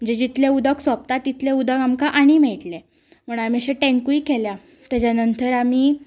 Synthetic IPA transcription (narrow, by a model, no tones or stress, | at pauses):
məd͡ʑed͡ʑit̪leud̪əksʋap̚t̪at̪ːit̪leud̪əkamkaʔaɽ̃imɛɭʈle | m̤əɳ̃amiaɕeʈẽŋkuikelja | t̪ad͡ʑanənt̪əɾamiː